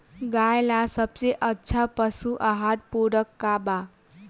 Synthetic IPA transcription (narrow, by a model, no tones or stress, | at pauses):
ɡajlasʌb̚t͡seʔətːt͡sʰapəsuʔaɦaɾ̚puɾəkːaba